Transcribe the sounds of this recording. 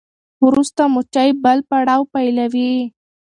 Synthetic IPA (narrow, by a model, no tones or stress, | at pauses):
wɾust̪amʊt͡ʃajbəlpaɽɑwpajlawi